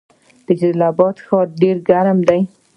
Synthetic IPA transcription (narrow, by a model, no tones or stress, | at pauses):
d̪̥əd͡ʒalabɑd̪xɑɾɖeɾɡaɾamd̪aj